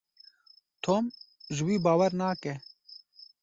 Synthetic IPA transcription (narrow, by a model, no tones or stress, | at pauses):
t̪ʰoːmʒɨwiːbaːwɐɾnaːkɛ